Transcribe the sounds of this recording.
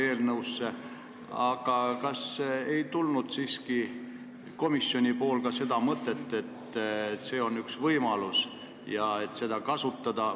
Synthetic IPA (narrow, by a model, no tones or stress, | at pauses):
e̞ːlnəuwsːe̞ | ɑɡ̥ɑkɑse̞jt̪ulnud̪̥siːski | ko̞misːjo̞nʲipo̞ːlkɑse̞d̪̥ɑmɤt̪ːˑe̞t̪ːˑe̞t̪ | se̞ːo̞nːyksvɤjmɑlus | jɑe̞t̪se̞d̪̥ɑkɑsut̪ˑːɑd̪̥ɑ